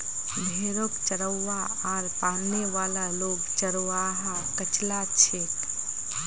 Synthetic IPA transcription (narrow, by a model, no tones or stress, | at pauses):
bʱeːɾokt͡ʃəɾəːa | aːɾpanneʋaːlaloɡt͡ʃəɾwaɦakət͡ʃlat͡ʃʰe